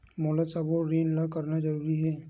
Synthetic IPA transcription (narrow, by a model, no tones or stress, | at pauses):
moːləd̪sɐboɾeːnlakɐɾnad͡ʒɐɾuːɾiɦɛː